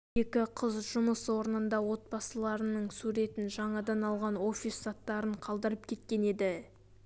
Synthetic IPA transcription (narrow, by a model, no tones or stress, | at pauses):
e̞kʲɪqʰəzʒʊməswo̞ɾənənd̪ɑwo̞t̪̚bɑsəlˠɑɾənəɴsuɾe̞t̪ɪnʒɑɴɑd̪ɑnɑlˠʁɑnwo̞fʲisːɑt̪ːɑɾəɴqʰɑlˠd̪əɾəp̚kʲʰe̞t̪kʲe̞ne̞d̪ɪ